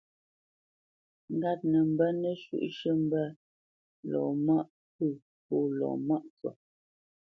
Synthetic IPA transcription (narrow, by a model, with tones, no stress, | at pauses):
ŋ̩˨ɡa˦t̚nə˨m̩˨bɛ˦nə˦ʃṵ˦˨ʔʃə˦m̩˦bɛ˦ | lɔ̰ː˨ma˦ʔ | pə˦˨ | poː˦˨lɔ̰ː˨ma˦ʔt͡sɔ̰˨